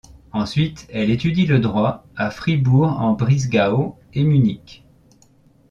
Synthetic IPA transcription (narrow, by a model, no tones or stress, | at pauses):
ɑ̃sɥit̪ɛlet̪yd̪iləd̪ʁwaafχibuʁɑ̃bʁizɡao | emynikʲ